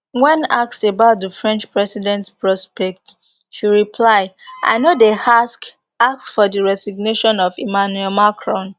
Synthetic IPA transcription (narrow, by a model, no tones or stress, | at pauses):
wɛ̃nak̚sebaʊt̚dəfɹɛ̃nt͡ʃpɹɛsidɛ̃ntpɹɔspɛk̚t | ʃiɹipʰlaɪʔa̰ɪnodehask | ak̚sfɔdiɹɛsiɡ̚neʃɔ̃nɔvimanuɛlmakʰɹɔ̃n